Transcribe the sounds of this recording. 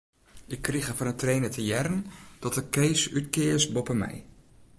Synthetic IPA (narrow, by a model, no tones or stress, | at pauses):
ʔɪkːriχəfɔnəntrejnətʰəjɛɾənd̥ɔtəkejsytkɪːsbɔpəmɛ̰j